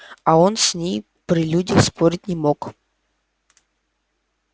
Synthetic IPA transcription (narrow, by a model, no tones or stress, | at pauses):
ɐo̞nsʲnʲej | pɾʲɪlʲudʲəxspoɾʲɪt̚ʲnʲɪmo̞k